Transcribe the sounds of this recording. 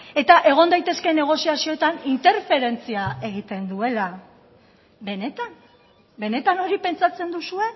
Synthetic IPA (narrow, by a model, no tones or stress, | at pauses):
e̞t̪aʔe̞ɣ̞o̞nd̪ajt̪e̞ske̞ne̞ɣ̞o̞siasio̞et̪anint̪e̞ɾfe̞ɾe̞nt͡siae̞ɣit̪e̞nd̪ue̞la | be̞ne̞t̪an | be̞ne̞t̪ano̞ɾipe̞nt͡sat͡se̞nd̪usue̞